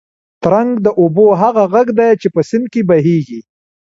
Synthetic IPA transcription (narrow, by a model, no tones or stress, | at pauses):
t̪ɾaŋɡd̪əʔoboɦaɣaɣaɡd̪ajt͡ʃepəsɪnd̪̚kebaɦeɡi